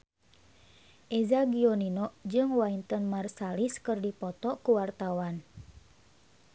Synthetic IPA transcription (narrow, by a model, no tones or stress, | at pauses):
ʔɛzaɡiɔninɔʔd͡ʒɨŋwaint̪ənmarsaliskɨrdipɔt̪ɔkuwart̪awan